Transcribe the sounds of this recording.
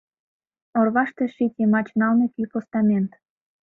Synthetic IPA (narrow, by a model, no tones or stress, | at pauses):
orβɑʃt̪eʃitʲemɑt͡ɕnɑlnekypost̪ɑmʲent̪